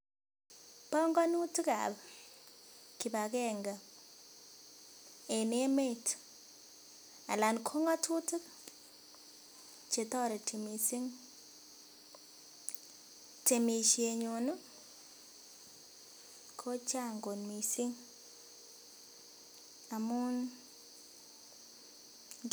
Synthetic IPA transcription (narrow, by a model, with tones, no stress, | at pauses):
pɔ˦ŋɡɔ˦nu˦ti˦ka̰˨b | ki˨ba˨kɛ˦ŋɡa˨ | e˨ne˦me˦t | a̰˨la˨nkʰo˦ŋa˦tu˦tɨ˦k | t͡ʃe˨t̪ɔ˦ɾe˨tʰi˨mi˨si˦ŋ | te˨mi˨ʃie˨ɲo˨nu˦ | kʰo˦t͡ʃa˦ŋɡo˨nmi˨si˦ŋ | a˨mu˦n